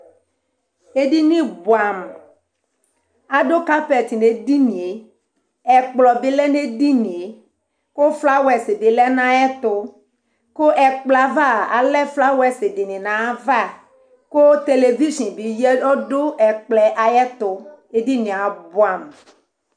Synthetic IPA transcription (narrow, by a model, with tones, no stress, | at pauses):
e˦di˦nĩ˦bʊ˨a˨m | a˨ɖo˦ka˦pɛ˨t̪i˨ne˨di˦nĩ˨e˨ | ɛ˨k͡plɔ˨bɪ˦lɛ˦ne˦di˦nĩ˨e˨ | ko˦fla˦wɛ˨se˨de˨lɛ˦nã˦jɛ˦t̪ʊ˦ | ko˦ʔɛ˨k͡plɛ˨a˨va˦˨a̰˨lɛ˦fla˦wɛ˨se˨dɪ˨nĩ˨nã˨˦va˦˨ | ko˦t̪e˦le˨vi˦ʃĩ˨nbi˨jɛ˦ɔ˦dʊ˦ɛ˨k͡plɛ˨ʔa˨jɛ˦t̪ʊ˨e˦di˦nĩ˨a˨bʊ˦a˨m